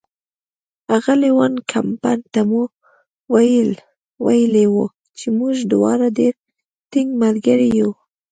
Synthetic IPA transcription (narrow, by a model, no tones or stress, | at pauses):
aɣalewankʰampajnt̪amu | wajəl | wajəlewu | t͡ʃemuʒd̪wɑ̰ɾadeɾ | t̪ɪŋɡmalɡaɾiju